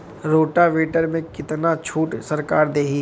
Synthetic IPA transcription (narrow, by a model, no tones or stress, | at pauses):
ɾoːʈaʋeːʈəɾmẽkɪt̪nat͡ʃʰuːʈsɐɾkaːɾd̪eːɦiː